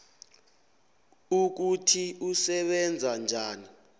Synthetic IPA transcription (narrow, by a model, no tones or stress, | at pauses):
uk̬utʰiusɛɓɛnd͡zʱand͡ʒʱaːni